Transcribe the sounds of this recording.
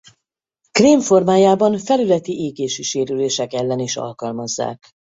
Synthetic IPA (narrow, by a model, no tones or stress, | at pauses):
kreːɱfo̞rmaːjaːbɒnfɛlylɛt̪iʔeːɡeːʃiʃeːɾyleːʃɛkɛlːɛniʃɒ̰lkɒlmɒzːa̰ːk